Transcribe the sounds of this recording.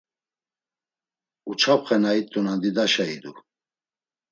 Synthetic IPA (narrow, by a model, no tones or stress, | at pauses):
ut͡ʃʰapχɛnait̪ʼːunand̪id̪aʃaid̪u